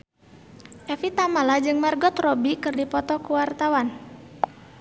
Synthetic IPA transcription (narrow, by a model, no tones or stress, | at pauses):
ʔɛfit̪amalad͡ʒɨŋmarɡɔt̪rɔbikɨrdipɔt̪ɔkuwart̪awan